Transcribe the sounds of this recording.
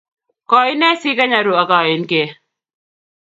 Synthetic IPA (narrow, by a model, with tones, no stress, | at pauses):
kɔ˨ɪ˦nɛ˦sɪ˦ka˦ɲa˨ɾu˨a˨ka˨ɪ˨nke˨˦